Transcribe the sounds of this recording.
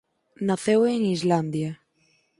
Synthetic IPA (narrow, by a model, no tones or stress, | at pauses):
naθeweŋizland̪ja